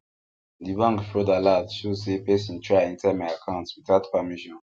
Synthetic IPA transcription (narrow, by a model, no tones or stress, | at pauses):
dibãŋɡfɹɔdaladʃozsepesĩntʰɹaĩntɛmajakʰãntswitatpamiʃɔ̃n